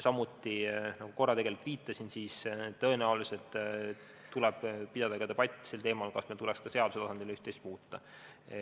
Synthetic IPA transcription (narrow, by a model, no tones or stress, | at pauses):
sɑmut̪ːˑinɑɡ̥uko̞rːɑt̪e̞ɡelt̪piːt̪ːˑɑsinsiːst̪ːɤ̞enæuliselt̪ | t̪ːulɛb̥pid̪̥ɑd̪̥ɑɡ̥ɑt̪eb̥ɑt̪ʲːˑi̥selt̪e̞ːmɑlkɑsmet̪ulɛkskɑse̞ɑd̪useɑsɑnd̪̥ʲilyht̪est̪̚muːt̪ːɑ